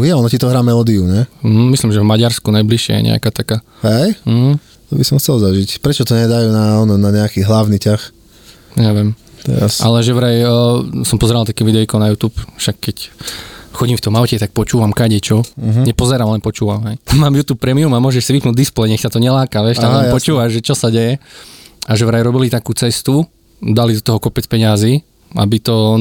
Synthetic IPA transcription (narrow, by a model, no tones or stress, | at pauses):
jɛɔnɔcit̪ɔɦɾaːmɛlɔːd̪iuɲɛm̩ɦ̩mislimʒɛvmaɟaɾskunajbliʃɪɛ̰jɛ̰ɲɛ̰a̰kaːt̪akaː | ɦɛjm̩ɦ̩̪ | ɔbisɔmxt͡sɛlˠzaʒicpɾɛt͡ʃɔt̪ɔɲɛd̪ajuːnaɔnɔnaɲɛakiːɦlaʊnicax | ɲɛʋɛmt̪ɔasʔa̰lɛʒɛʋɾɛjsɔmpɔzɛɾalt̪akɛʋid̪ɛʋikɔʊnajuːt̪uːpfʃakːɛc | xɔɟimft̪ɔmaʊcɛt̪ak̚pɔt͡ʃuːʋamkaɟɛt͡ʃɔɲɛpɔzɛɾaːmlɛnpɔt͡ʃuːʋamɦɛjmaːmjuːt̪uːp̚ːɾɛmiumamʊɔʒɛʃsiʋipnuːɟ̪̚ʲd̪isplɛjɲɛxsat̪ɔɲɛlaːkaʋjɛʃt̪alɛmpɔt͡ʃuːʋaʒʒɛt͡ʃɔsaɟɛjɛ | aʒɛʋɾajɾɔbilit̪akuːt͡sɛst̪u | d̪alid̪ɔt̪ɔɦɔkɔpɛt͡spɛɲɪaziː | a̰bit̪ɔ